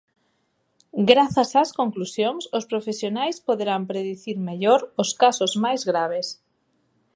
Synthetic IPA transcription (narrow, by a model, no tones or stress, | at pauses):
ɡɾaθasaskoŋklusjoŋsospɾofesjonajspoðeɾampɾeðiθiɾmeʎoɾoskasozmajzɣɾaβ̞es